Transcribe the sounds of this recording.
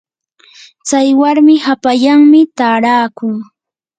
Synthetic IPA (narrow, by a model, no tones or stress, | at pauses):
t͡sajwaɾmɪhapaʎaŋmɪt̪aːɾaːkʊŋ